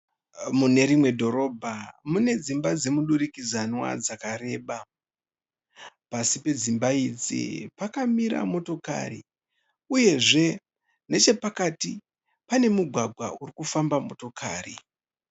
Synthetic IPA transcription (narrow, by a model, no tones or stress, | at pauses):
mune̞ɾimwe̞dʱo̞ɾo̞ːbʱamune̞d͡zimbad͡ze̞muɗuɾikizanwa̰d͡zakaɾe̞ːɓa | pasipe̞d͡zimbaid͡zḭpakamiɾa̰mo̞to̞ka̰rḭ | uje̞ʐe̞ | ne̞t͡ʃe̞pakati | pane̞muɡʱwaɡʱwa̰urikufambamo̞to̞kʰa̰ːri